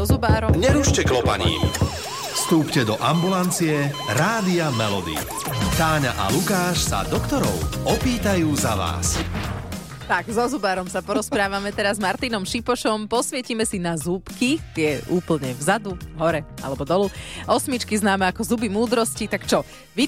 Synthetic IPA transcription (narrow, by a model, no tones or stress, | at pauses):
zubaːɾɔmɲɛɾuːʃcɛklɔpa̰ɲḭː | fst̪uːpcɛd̪ɔʔambulant͡sijɛɾaːd̪iamɛlɔ̰d̪ḭ | t̪aːɲa̰ʔa̰lukaːʃsa̰d̪ɔkt̪ɔɾɔ̰ʊɔpiːt̪ajuːzaʋa̰ːs | t̪aɡzɔzubaːɾɔmsapɔɾɔspɾaːʋamɛt̪ɛɾazmaɾt̪inɔmʃipɔʃɔmpɔsʋɪɛcimɛsinazupkit̪ɪɛʔuːpl̩ɲɛvzad̪uɦɔɾɛa̰lɛbɔd̪ɔluʔɔsmit͡ʃkiznaːmɛakɔzubimuːd̪ɾɔscit̪akt͡ʃɔ | ʋi